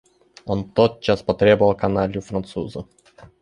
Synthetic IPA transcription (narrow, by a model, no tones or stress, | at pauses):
ont̪ot̪̚t͡ɕaspɐt̪ɾʲebəvɐlˠkɐnalʲʊfɾɐnt̪suzə